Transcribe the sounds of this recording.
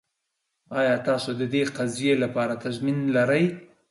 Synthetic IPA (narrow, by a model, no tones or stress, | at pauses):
ɑjɑt̪ɑsod̪əd̪eqazjelapɑɾat̪azminlaɾəj